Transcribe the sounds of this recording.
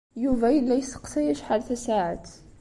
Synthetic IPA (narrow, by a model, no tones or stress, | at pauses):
juvæjəlːæjsə̥qsæjæʃħalθæsaʕat̪